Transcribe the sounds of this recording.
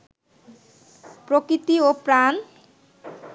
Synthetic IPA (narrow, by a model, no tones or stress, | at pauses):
pɾokɾit̪iopɾan